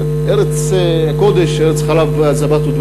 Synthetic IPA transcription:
eʁet͡s | akod̪eʃeʁet͡sχalavazabat̪ud̪v

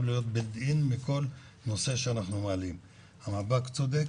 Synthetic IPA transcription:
vlijo̞t̪̚bed̪inmiko̞l | no̞se̞ʃeanaχnumaːlim | hamabakt͡sod̪ek

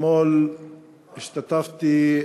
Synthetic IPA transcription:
moːl | ɪʃt̪at̪aft̪i

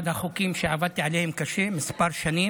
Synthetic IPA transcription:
d̪axukiːmʃɪʕavad̪̚t̪iʕaleːhɪmkaʃeːmɪsbɑɾˤʃaniː

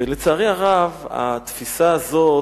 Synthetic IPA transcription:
elet͡saːʁeaʁava̰t̪fisaːzo̞

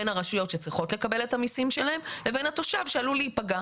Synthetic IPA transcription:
enhaʁaʃujo̞tʃet͡sʁiχo̞tle̞kabe̞lethamisimʃe̞lahe̞mle̞ve̞nhato̞ʃavʃealuliːpaɡa

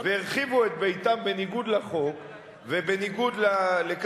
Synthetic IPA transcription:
veiʁχivuet̪̚bejt̪ambe̞niɡud̪laχo̞k | vebeniɡud̪lalek

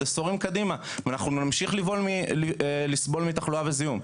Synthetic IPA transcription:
esoʁimkad̪ima | vanaχnunamʃiχlivo̞lmi | lisbo̞lmit̪aχluavezijum

